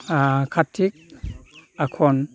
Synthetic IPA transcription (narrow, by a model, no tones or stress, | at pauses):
kʰatʰːik̚ | akʰɔn